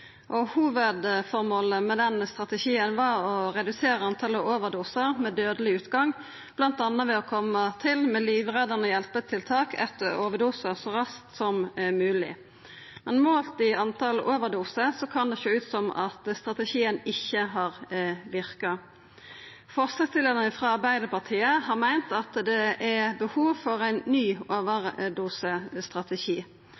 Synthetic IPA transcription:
ʔɔhuːʋəd̪fɔʁmoːləmɛd̪ɛnst̪ʁɑt̪əʃiːənʋɑɔʁɛd̪ʉseːɾəɑnt̪ʰɑləʔoːʋəʁd̪uːsəʁmɛd̪øːd̪əlɪʉːt̪ɡɑŋ | b̥lɑnt̪ɑnːɑʋɛɔkʰɔmːət̪ʰɪlmɛliːʋʁɛd̪ənəjɛlpət̪ʰɪlt̪ʰɑːkʰɛt̪ːəɾoːʋəd̪uːsəʁsɔʁɑskt̪sɔmmʉːlɪ̰ | mɛnmoːlt̪ɪɑnt̪ʰɑloːʋəʁd̪uːsəsɔkʰɑnd̪ɛʃøːʉːt̪sɔmɑ̰t̪st̪ʁɑt̪əʃiːənɪçːəɦɑːʁʋɪʁkɑ | fɔʁsɑst̪ɪled̪ənəfʁɑːɑʁbæɪd̪əpɑʁt̪ʰiːəhɑːʁmæɪnt̪ɑt̪d̪ɛʔæbəhuːʋfɔʁæɪnːyːoːʋəʁd̪uːsəst̪ʁɑt̪əʃiː

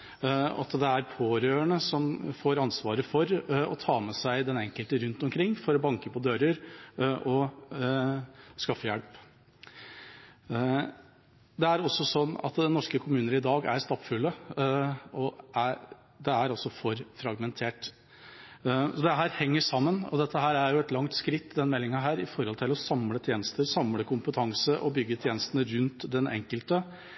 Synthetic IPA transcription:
ɑ̰t̪d̪ɛæɾpʰoːɾøːəɳəsɔmfoːɾɑnsʋɑːɾəfɔɾɔ̰t̪ʰɑːmɛsæɪd̪ɛnɛŋkəlt̪əɾʉnt̪ɔmkʰɾɪŋːfɔɾɔbɑŋkəpɔd̪øːɾəɾʔɔ | skɑfːəjɛlp | d̪ɛæɾɔsːɔsɔnːɑ̰t̪d̪ɛnːɔʂkəkʰʊmʉːnəɾɪd̪ɑːɡæ̰ɾst̪ɑpfʉlːə | ɔæɾ | d̪ɛæɾɔsɔfɔɾfɾɑɡmɛnt̪ʰeːʈ | sɔd̪ɛɦæːɾhɛŋːəʂɑmːənɔd̪ɛt̪ːəɦæːɾæɾjʊɛt̪lɑŋt̪skɾɪt̪ːd̪ɛnmɛlːɪŋɑɦæːɾɪfɔɾhɔlt̪ʰɪlɔsɑmlət̪ʰjeːnəst̪əɾsɑmləkʰʊmpət̪ʰɑŋsəʔɔbʏɡːət̪ʰjeːnəst̪ənəɾʉnt̪d̪ɛnɛ̰ŋkəlt̪ə

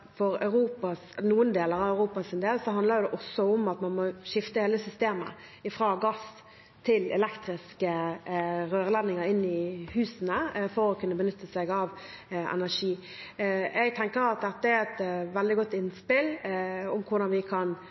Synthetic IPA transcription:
fɔɾœ̰ʉɾuːpɑsnuːənd̪eːləɾɑʋœʉɾuːpɑsɪnd̪eːlsɔɦɑnd̪ləɾjʊd̪ɛʔɔsːɔʊmɑt̪mɑnmɔʂɪft̪əheːləsʏst̪eːmə̰ | ɪfɾɑːɡɑs | t̪ʰɪlɛ̰lɛkt̪ɾɪskə | ɾøːʁəlɛnːɪŋəɾɪnːɪhʉːsənəfɔɾɔkʉnːəbənʏt̪ːəsɛɡɑʋ | ʔɛ̰næʂiː | ʔɛɡ̚t̪ʰɛŋkəɾɑt̪̚d̪ɛt̪ːəæɾɛt̪ʋɛld̪ɪɡɔt̪ːɪnspɪlʊmkʰʊd̪ɑnʋɪkʰɑn

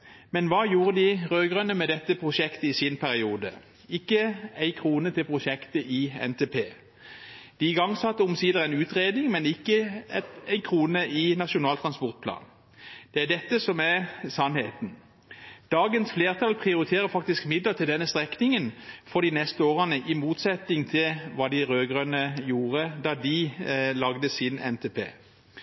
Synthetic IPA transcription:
mɛnʋɑːjuːʁəd̪ɪʁøːɡʁœnəmɛd̪ɛt̪ːəpʰʁʊʃɛkt̪əɪsɪnpʰæʁɪuːd̪ə̰ | ɪkːəæɪkʰʁuːnət̪ʰɪlpʰʁʊʃɛkt̪əʔɪɛ̰nt̪ʰeːpʰeː | d̪̥iɪɡɑŋːsɑt̪ːəʊmsiːd̪əʁæɪnʉːt̪ʁeːd̪nɪŋmɛnɪkːəɛæɪnkʰʁuːnəʔɪnɑʃʊnɑːlt̪ʰʁɑnspɔʁt̪̚pʰlɑ̰ːn | d̪̥ɛæd̪ɛt̪ːəsɔmæʁsɑnhḛːt̪n̩ | d̪̥ɑːɡənsfleːʁt̪ʰɑlpʰʁɪʊʁɪt̪ʰeːɾəfɑk̚t̪ɪskmɪd̪lət̪ʰɪld̪ɛnːəst̪ʁɛknɪŋənfɔʁd̪inɛst̪əoːʁənəʔɪmuːt̪sɛt̪ɪŋt̪ʰɪlʋɑːd̪ɪʁøːɡʁønəjuːʁəd̪ɑːd̪ɪlɑɡd̪əsɪnɛ̰nt̪ʰepʰḛː

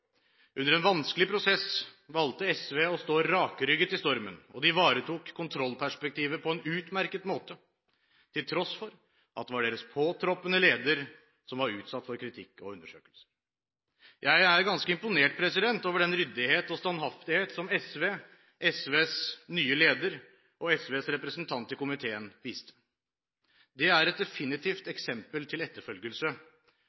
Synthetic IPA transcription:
ʔʉnːəɾɛnʋɑnskəlɪpʰɾʊsɛsʋɑlt̪əɛsʋeːɔst̪oːɾɑːkəɾʏɡːət̪ɪst̪ɔɾmə̰nɔ̰d̪ɪʋɑːɾət̪ʰuːkʰːʊnt̪ʰɾɔlːpʰæʂpɛk̚t̪ʰiːʋəpʰɔɛnʉːt̪mæɾkət̪moːt̪ə | t̪ʰɪlt̪ʰɾɔsfɔɾ | ʔɑ̰t̪̚ɛʋɑɖeːɾəspʰoːt̪ʰɾɔpːənəleːd̪əɾ | sɔmʋɑɾʉ̰ːt̪sɑt̪ːfɔɾkʰɾɪt̪ʰɪkːɔ̰ʉnd̪əʂøːkəlsə̥ | jʔæɪæɾɡɑnskəɪmpʊneːʈ̚pʰɾɛsɪd̪ɛnt̪oːʋəɖɛnɾʏd̪ɪheːt̪ɔst̪ɑnhɑft̪ɪheːt̪sɔmɛsʋeː | ʔɛsʋeːsnyːəleːd̪əɾ | ɔɛsʋeːsɾɛpɾəsənt̪ʰɑnt̪ɪkʊmɪt̪ʰeːənʋiːst̪ə̥ | d̪ɛæɾɛt̪̚d̪ɛfɪnɪt̪ʰiːft̪ɛksɛmpəlt̪ʰɪlɛt̪ːəɾfœlɡəlsə

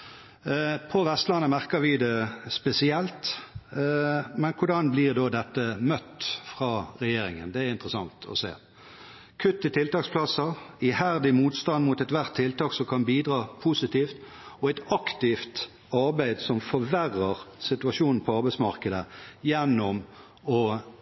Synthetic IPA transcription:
pʰɔʋɛst̪lɑnːəmæʁkəʋɪd̪ɛspɛsɪɛlt̪ | mɛnkʰʊɖɑnblɪʁd̪oːd̪ɛt̪ːəmœt̪ːfʁɑːʁɛjeːɾɪŋə̰nd̪ɛæɾɪnt̪ʁəsɑŋt̪ʰɔ̰sḛː | kʰʉt̪ːɪt̪ʰɪlt̪ɑːkspʰlɑsəɪhæʁd̪ɪmuːt̪st̪ɑnd̪mʊt̪ɛt̪ʋæʁt̪ʰːɪlt̪ɑːksɔmkʰɑnbiːd̪ʁɑːpʰusɪt̪iːft̪ | ɔæɪt̪ɑkt̪ɪft̪ | ɑʁbæɪd̪sɔmfɔɾʋæʁːəʁsɪt̪ʉɑʂuːnn̩pʰɔɑʁbæɪsmɑʁkəd̪əjɛnːɔm | ɔ

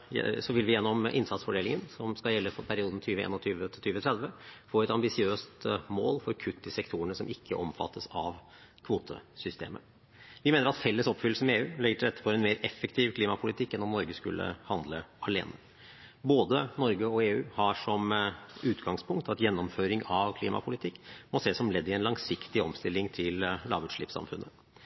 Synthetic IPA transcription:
sɔʋɪlʋɪjɛnːɔmʔɪnsɑt̪sfɔɖeːlɪŋənsɔmskɑjɛlːəfɔpʰæɾɪuːd̪n̩t̪ʰyːʋəḛːnɔt̪ʰyːʋət̪ʰɪt̪ʰyːʋət̪ʰɾɛd̪ʋəfoːɾɛt̪ɑmbɪsɪøːst̪moːlfɔɾkʰʉt̪ːɪsɛkt̪ʰuːəɳəsɔmʔɪkːəʔɔmfɑ̰t̪ʰːəsɑʋ | kʰʋuːt̪ʰə̰sʏst̪ʰḛːmə̰ | ʋɪmeːnəɾɑt̪fɛlːəsɔpːfʏlːəsəeːʉːlɛɡːəʈʰɪlɾɛt̪ːə̥pʰɔɛnmeːɾɛfːəkt̪ʰiːʋkʰliːmɑpʰʊlɪt̪ʰɪkːɛnɔmnɔɾɡəskʉ̰lːʔə̰hɑnd̪lə̰ɑlḛːnə | boːd̪ənɔɾɡəɔeːʉːhɑʂɔmʉːt̪ɡɑŋspʰʊŋk̚t̪ɑt̪jɛnːɔmføːɾɪŋɑʋkʰliːmɑ̰pʰʊlɪt̪ʰɪkːmɔseːsɔmlɛd̪ːɪɛnlɑŋsɪkt̪ɪɔmst̪ɪlːɪŋt̪ʰɪllɑ̰ːʋʉʂɭɪ̰ːpsɑ̰mfʉnːə

